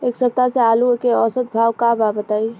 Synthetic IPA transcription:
eksət̪ːasealukeɔsəd̪̚bʱawkababət̪ai

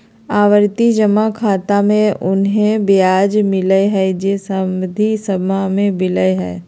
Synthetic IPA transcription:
aːʋəɾt̪id͡ʒəmakʰaːt̪amẽʔʊnɦẽbjaːd͡ʒmɪləeɦɛd͡ʒesəmd̪ʱisɐmamẽbɪləeɦɛː

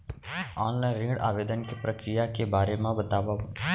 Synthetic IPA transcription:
ɔːnlaɪ̃ɾĩːɽa̰ːʋeːd̪ənkipɾəkɾɪjakebaːɾemãbət̪aːʋaɦ

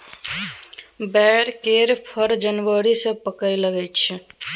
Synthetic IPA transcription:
bɛɾkeɾpʰəɾd͡ʒənʋəɾisẽpəkəjləɡɛt͡ʃʰ

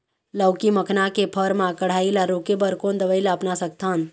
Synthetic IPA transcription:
ləwkiməkʰnakepʰəɾmãkəɽ̤aːilaɾokebəɾkoːnd̪əʋəɪlaəpnasək̚t̪ʰan

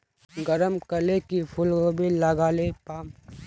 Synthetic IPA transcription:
ɡəɾəmkɐlekipʰʊlkobʱilaɡaːlepaːm

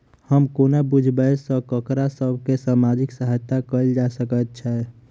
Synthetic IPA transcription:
həmkoːnabud͡ʒʱbəsəkəkɾasəbʱkesaːmad͡ʒɪksəɦəjt̪ːakəild͡ʒasəkət̪̚t͡ʃʰɛ

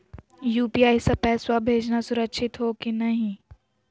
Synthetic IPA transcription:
juːpiaːjsɐpɛːswabʱeːd͡ʒnasʊɾəkʃʰɪt̪ɦokinɐɦĩ

